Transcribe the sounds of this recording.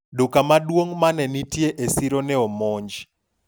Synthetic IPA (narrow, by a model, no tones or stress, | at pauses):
dokamadwoŋmanɛnitjeʔesiɾonɛɔmɔɲd͡ʒ